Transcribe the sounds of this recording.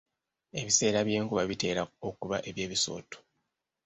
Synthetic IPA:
e̞βise̞ːɾaβje̞ːŋkuβaβite̞ːɾaokuβaʔe̞βje̞ːβiso̞̰ːto̥

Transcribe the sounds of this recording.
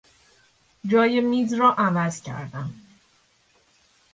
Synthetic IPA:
d͡ʒɒːjemiːzrɒːʔævæz̥cʰæ̰ɾd̪æm

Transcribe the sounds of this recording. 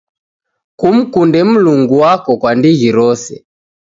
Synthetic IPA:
kum̩kundɛm̩luŋɡuwakɔkwandiɣiɾɔsɛ̰

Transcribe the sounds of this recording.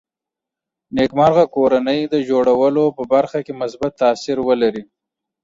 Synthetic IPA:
nekmɑɾɣakoɾanəjd̪əd͡ʒoɽawəlopəbaɾxakemʊs̬bat̪ːaːsɪɾwəlaɾi

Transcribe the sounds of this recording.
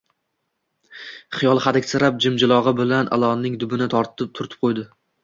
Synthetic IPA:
χɨjɒlˠχad̪ɪkʲsɪɾap̚d͡ʒɪmd͡ʒɪlˠɒʁɨbɪlanʔa̰lˠɒnːɪŋd̪ʊbɪnɪt̪ʰɒɾt̪ʰɪp̚t̪ʰʊɾt̪ʰɪ̥p̚qʰojd̪ɪ

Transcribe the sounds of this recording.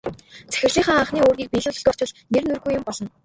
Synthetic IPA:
t͡sæ̥xʲɪ̆rɮiːŋχaːŋaɴχniːoːrɣʲiːk̚piːɮɵ̆ːɮɵ̆ɮtɔ̥ːt͡ɕʊ̆ɮnernɵrɣujːʊmpɔɮɞ̆n

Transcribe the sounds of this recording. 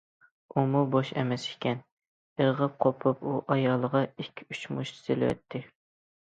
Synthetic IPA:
umuboʃɛ̰mɛsi̥kʲʰɛn | eʁəp̚qʰopʰupuʔɑjɑlˠːəʁɑikʲʰːyt͡ʃmuʃɪ̥sɪlɪ̰wɛ̰t̪ʰːɪ

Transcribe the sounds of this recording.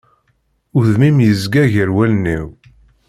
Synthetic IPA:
ʊðmimjəzɡæʝəɾwælniw

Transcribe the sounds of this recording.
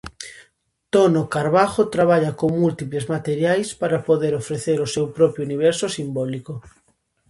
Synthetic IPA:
t̪onokaɾβaxot̪ɾaβ̞aʎakoŋmult̪iplezmat̪eɾjajspaɾapoðeɾofɾeθeɾosewpɾɔpjouniβ̞ɛɾsosimbɔliko

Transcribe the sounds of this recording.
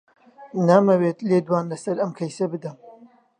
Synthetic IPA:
naːmɐweːt̪leːd̪waːnlɐsɐɾɐmkʰɐjsɐbɨd̪ɐm

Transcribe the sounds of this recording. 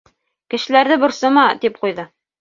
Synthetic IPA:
kɘ̆ʃɘ̆læɾðɘbŏɾsɤmɑt̪ip̚qujðɤ

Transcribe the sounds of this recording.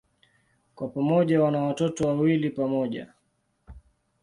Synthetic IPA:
kwapamɔʄawanawatɔtɔwawilipamɔʄa̰

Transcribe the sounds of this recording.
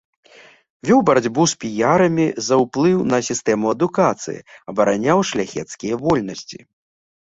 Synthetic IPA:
vʲɔwbɐɾad͡zʲbuspʲijaɾɐmʲizɐwplˠɨwnɐsʲist̪ɛmuɐd̪ukat̪sɨ̰jḭɐbɐɾanʲawʂlʲaxʲɛt̪skʲijɐvɔlʲnɐsʲt͡sʲḭ

